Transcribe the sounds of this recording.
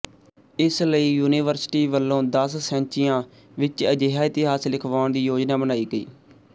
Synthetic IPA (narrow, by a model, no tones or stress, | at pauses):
ɪsləiːjuːnɪːʋəɾsʈiːʋəlːõːd̪əssɛ̃ːɲt͡ʃɪjãː | ʋɪt͡ʃəd͡ʒeːɦaːɪt̪ɪɦaːslɪkʰʋaːʊnd̪iːjoːd͡ʒnaːbənaːiːɡəḭː